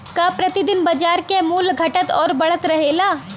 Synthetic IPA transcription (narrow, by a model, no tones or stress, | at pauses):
kapɾət̪id̪ɪnbɐd͡ʒaːɾkemuːlɡʱɐʈət̪ɔːɾbɐɭ̤ət̪ɾəɦelaː